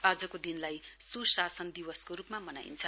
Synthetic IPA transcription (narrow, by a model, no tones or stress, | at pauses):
ad͡zʌkod̪inlajsusasʌnd̪iwʌskoɾupmamʌna̰jḭnt͡sʰʌ